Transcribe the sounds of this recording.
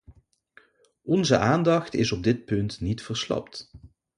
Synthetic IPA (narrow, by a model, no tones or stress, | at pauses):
ɔnzəʔaːndɑxtɪ̰zɔb̚dɪt̚pɵntnitfəɹslɑ̰pt